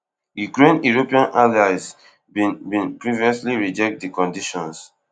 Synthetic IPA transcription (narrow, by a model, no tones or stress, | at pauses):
jukɹẽnuɹopiãnʔalaɪz | bbĩnpɹiviɔsliɹid͡ʒɛk̚t̚dikɔ̃ndiʃɔ̃ns